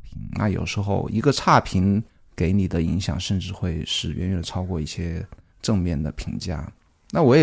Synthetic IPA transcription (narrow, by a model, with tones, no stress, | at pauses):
i˧˥ŋna̰˥˩jo̰˨˩ʊʂɻ̩˧˥xo˥˧ʊʔi˧˥ɡə˧ʈ͡ʂʰa˥˩pʰi˧˥ŋ | ke˧˥ɪni˨˩d̪ə˦i˧˥ŋɕjɑ̰˨˩ŋʂə˥˧nʈ͡ʂɻ̩˥˧xwe˥˧ɪʂɻ̩˥˩ɥʔɛ̰˧˥nɥɛ˨˩n˨ʈ͡ʂʰɑ˥ʊkwɔ˥˧i˥˩ɕjɛ˥ | ʈ͡ʂɤ˥˧ŋmjɛ˥˩nd̪ə˩pʰi˧˥ŋt͡ɕja̰˥˩ | na˥˩wɔ˧˥jɛ˨